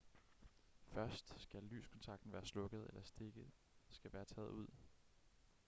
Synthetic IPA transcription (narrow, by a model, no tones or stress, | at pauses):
fɶɐsd̥sɡ̥ælly̰ːskʰɔ̽nt͡sʰɑ̈ɡ̥d̥n̩ʋæːɐslɔ̽ɡ̥ð̞̩ˠelʔɐsd̥e̝ɡ̥ð̩ˠ | sɡ̥æʋæːɐt͡sʰɛ̰ːð̩ˠuð̞̰ˠ